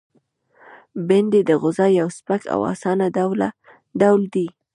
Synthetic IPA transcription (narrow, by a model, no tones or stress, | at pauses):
bɪnd̪ed̪əɣʊzɑjawspakʰa̰wɑ̰sɑnad̪awla̰ | d̪awld̪i